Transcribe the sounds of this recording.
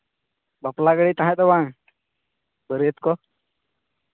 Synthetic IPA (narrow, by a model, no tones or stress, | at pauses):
bəplaɡəɽit̪aɦãd̪ɔbaŋ | bəɾət̪kɔ